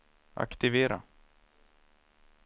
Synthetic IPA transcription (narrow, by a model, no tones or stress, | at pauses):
ʔa̰kt̪ɪveːɾa̰